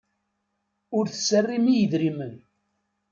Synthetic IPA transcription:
ʊɾθə̥sːərːimijəðɾimən

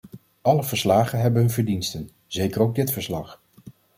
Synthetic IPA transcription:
ɑləvəɹslaːχənɦɛbənɦɵnvəɹdinstən | zejkəɾowɡ̚dɪtfəɹslɑχ

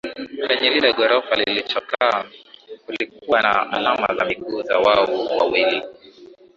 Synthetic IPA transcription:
kɛɲɛlilɛɠɔɾɔfalilit͡ʃɔkaːkulik̚uwana̰a̰lama̰zamiɡuːzawaɔwa̰wili

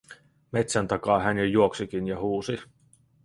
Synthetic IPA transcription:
me̞t̪sænt̪ɑkɑːɦænjɑjuoksikinjɑɦuːsi

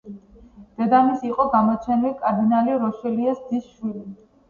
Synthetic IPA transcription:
d̪̥ɛd̪amisiqʼɔɡamɔt͡ʃʰɛnilikʼaɾd̪inaliɾɔʃɛliasd̪isʃwili

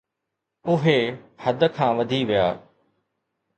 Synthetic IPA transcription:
ʊɦehɐd̪ə̆kʰãːʋɐd̪ʱiʋijaː

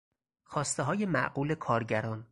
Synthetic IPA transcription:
xɒːst̪eɦɒːje̞mæ̰ʔɢuːle̞kʰɒːɾɟæɾɒːn

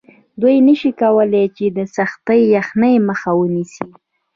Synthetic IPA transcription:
d̪ujnəʃikawəlet͡ʃed̪əsaxt̪əjjaxnəjməxawənisi

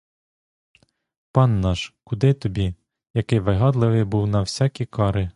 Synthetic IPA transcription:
pɑnːɑʃkʊd̪ɪt̪ɔbʲi | jɐkɪjʋɪɦɑd̪lˠɪʋɪjbuwnɐwsʲɑkʲikɑɾɪ

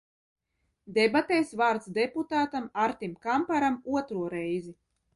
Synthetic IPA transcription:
d̪ɛbat̪ɛːsvaːɾt̪sd̪eput̪aːt̪amaɾt̪ʲimkampaɾamuɔt̪ɾuɔɾɛjzi

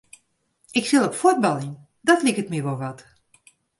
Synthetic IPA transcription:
ɪksilˠɔpfod̚bɑlˠin | dɑtlikətmiʋoʋɑt

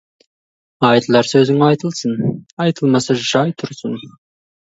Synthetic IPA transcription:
ɑjt̪əlˠɑɾsɵzɪŋɑjt̪əlˠsənɑjt̪ʰəlˠmɑsəʒɑjt̪ʰʊɾsʊn

